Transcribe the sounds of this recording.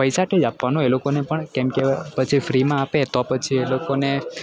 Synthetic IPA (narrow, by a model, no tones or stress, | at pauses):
pəjsaʈʰed͡ʒapʋanõelokonepəɳkemkepət͡ʃʰifɾimãapet̪ɔpət͡ʃʰielokone